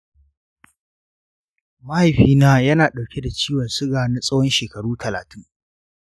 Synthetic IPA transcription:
mɐ˦ha˨jɸiː˦naː˦jɐ˦naː˨ɗa˨wkʲe˦da˨t͡ʃiː˦wɐ˨nsʊ˦ɡaː˨na˦sʼɐ˦whɔ˦nʃeː˨kɐ˨ɽuː˦tʰɐ˨laː˨tɪ˦ŋ

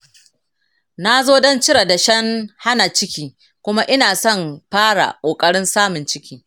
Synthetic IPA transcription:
na˦zoː˦dɔ˦nt͡ʃɪ˦ɽa˨da˨ʃɐ˦ŋha˦na˨t͡ʃɪ˦kʲiː˦ | kʷʊ˦ma˦ʔɪ˦naː˨sɔ˦˨mɸaː˦ɽa̰˨kʷʼoː˨kʼɐ˦ɽɪ˦nsaː˦mʊ˨nt͡ʃɪ˦kʲiː˦

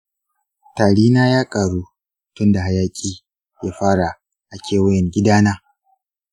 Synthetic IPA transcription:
taː˨ɽiː˦naː˦jaː˦kʼaː˨ɽuː˦ | tʊ˦nda˨ɦa˦jaː˦kʲʼiː˦ | jaː˦ɸaː˦ɽa˨ | ʔa˨kʲeː˦wɐ˦jɛ˨ŋɡʲɪ˦daː˦naː˦

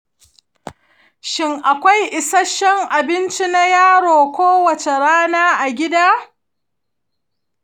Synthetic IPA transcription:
ʃɪ˦ŋʔa˨kʷa˦jʔɪ˨sɐ˦ʃɛ˦ŋʔa˨bɪ˦nt͡ʃi˦na˦jaː˦ɽoː˨kʷoː˦wɐ˨t͡ʃe˨ɽaː˦naː˦ʔa˨ɡʲɪ˦daː˦

